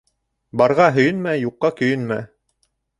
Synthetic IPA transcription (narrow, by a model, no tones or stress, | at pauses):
bɑɾʁɑɦɵ̆jɘnmæjuqːɑkɵ̆jɵnmæ̰